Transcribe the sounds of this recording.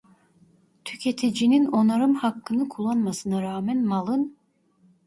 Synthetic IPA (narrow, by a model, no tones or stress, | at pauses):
t̪ʰycʰet̪ʰid͡ʒinino̞naɾɯmhakːɯnɯkʰulˠːanmasɯnaɾaːmɛnmalˠɯn